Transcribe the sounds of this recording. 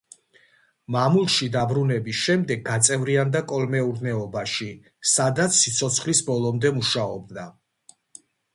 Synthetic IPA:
mamulˠʃid̪abɾunɛbisʃɛmd̪ɛɡ̚ɡat̪sʼɛvɾiand̪akʼɔlmɛuɾnɛɔbaʃi | sad̪at̪sʰːit̪sʰɔt̪sʰχlisbɔlˠɔmd̪ɛmuʃaɔ̰b̚d̪a

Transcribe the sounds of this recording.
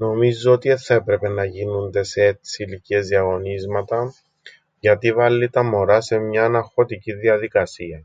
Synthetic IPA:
no̞mizːoot̪ieθːɐepɾe̞pe̞nɐʝinund̪e̞seet͡siːlicie̞zðiɐɣo̞nizmɐt̪ɐ | ʝɐt̪ivɐlːit̪ɐmo̞ɾɐse̞mɲɐːnɐxo̞t̪iciðiɐðikɐsiɐ

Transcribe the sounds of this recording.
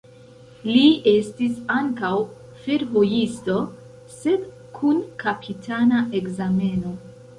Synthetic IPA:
lie̞stisaŋkaw | feɾvo̞jisto̞ | se̞d | kʰunkapʰitʰanaʔe̞kzame̞no̞

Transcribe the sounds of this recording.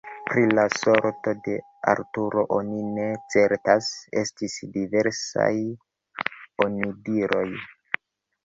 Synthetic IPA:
pɾilaso̞ɾto̞de̞ | a̰ɾtuɾo̞ʔonine̞t͡se̞ɾtase̞̰stisdive̞ɾsa̰j | o̞nidiɾo̞j

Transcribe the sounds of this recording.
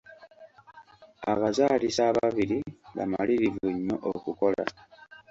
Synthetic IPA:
aβazaːlisaβaβiliβa̰ma̰liβivuɲːoʔokuko̞la̰

